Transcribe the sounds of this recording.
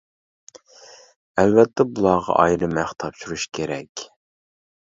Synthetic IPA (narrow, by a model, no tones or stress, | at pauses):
ælvɛt̪ʰːɛbulˠɑːʁɑ̰ʔɑjɾɨmæχt̪ʰɑpʃuɾuʃkʲʰeɾɛkʲ